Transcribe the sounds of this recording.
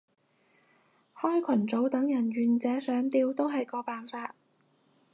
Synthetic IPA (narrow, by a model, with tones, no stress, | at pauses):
hɔː˥jkʷʰɐ˨˩nt͡so˨˥wt̪ɐ˨˥ŋjɐ˨˩nɥyː˨nt͡sɛː˨˥sœː˨˥ŋt̪iː˧wt̪o˥wɦɐ˨jkɔː˧paː˨nfaː˧t̚